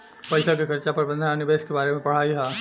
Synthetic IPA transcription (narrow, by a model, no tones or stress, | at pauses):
pɐɪsak̬ikʰɐɾt͡ʃapɐɾbɐ̃nd̪ʱənanɪbeːskebaːɾemẽpɐɽ̤aːiɦaː